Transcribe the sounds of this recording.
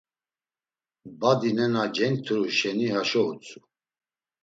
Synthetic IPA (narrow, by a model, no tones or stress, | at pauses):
bad̪inɛnad͡ʒɛnt̪ʰuɾuʃɛnihaʃɔut͡sʰʼu